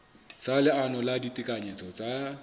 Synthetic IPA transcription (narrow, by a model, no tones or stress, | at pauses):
t͡salɪanɔladitʼikʼaɲet͡sʰʼɔt͡sʼa